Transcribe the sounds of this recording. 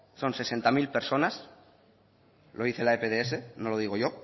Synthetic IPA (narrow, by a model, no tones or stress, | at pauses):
so̞nse̞se̞nt̪amilpe̞ɾso̞nas | lʔoiθelaepeðees̬e̞nolo̞ð̞iɣ̞o̞ʝo̞